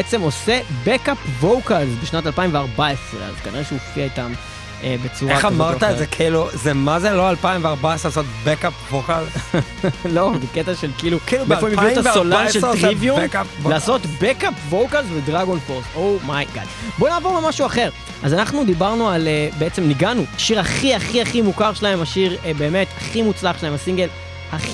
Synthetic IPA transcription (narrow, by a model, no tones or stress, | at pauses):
et͡se̞mo̞sebekapvowkalzbeʃnat̪alpaimveaʁbaesʁḛa̰zkanḭʁeʃeofiait̪am | ebet͡suʁaχamaʁt̪aezekʰiluzemazeloalpaimveaʁbaesʁeasot̪bekapvokalz | lo̞zeket̪aʃelkiilukiːlubefoimiutasolaʃeltʁivjukaplaːso̞t̪bekapvowkalzvedʁaɡonfoʁsowmajɡa̰d̪bo̞naːvoʁlemaʃuaχe̞ʁ | azanaχnud̪ibaʁnualebeet͡semniɡanuaʃiʁaχiaχiaχimukaʁʃelaemaʃiʁbe̞ːme̞taχimut͡slaχʃlaemasiŋɡel | haχ